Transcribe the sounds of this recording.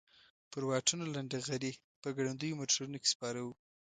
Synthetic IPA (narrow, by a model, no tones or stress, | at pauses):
pəɾwɑʈunolaɳɖaɣaɾi | pəɡaɽand̪ujomoʈʰaɾunoke̥spɑɾawu